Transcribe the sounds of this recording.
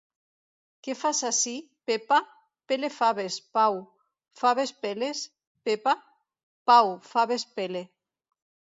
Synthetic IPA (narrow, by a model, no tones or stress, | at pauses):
kefasasi | pepa | pelefaβespaw | faβespeles | pepa | pawfaβespele